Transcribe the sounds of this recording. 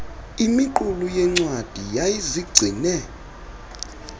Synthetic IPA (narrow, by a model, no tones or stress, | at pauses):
imiǃulujɛŋ͡ǀwad̥ʱijajiziɡ͡ǀʱinɛ